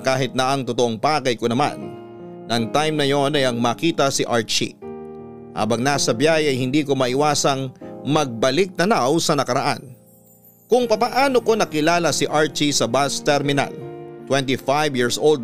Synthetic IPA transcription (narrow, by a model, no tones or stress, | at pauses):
kaːɦɪt̪̚nɐʔɐŋt̪ʊt̪oʔoŋpaːɡɐjkonɐma̰nː | ɐɐŋt̪ajmnɐjo̞nɐjɐŋmaːkiːt̪ɐsiʔaɹt͡ʃḭ | ha̰ːbɐŋnaːsɐbjajɐjhɪnd̪iːko̞mɐʔɪwaːsɐŋmɐɡ̚bɐlɪk̚d̪ɐnawsɐnɐkɐɾɐʔa̰n | kʊŋpɐpɐʔaːno̞ko̞nɐkɪlaːlɐsɪʔaɹt͡ʃisɐbast̪ɛɾmɪna̰lt̪wɛnt̪ifajvjiɹsʔold̪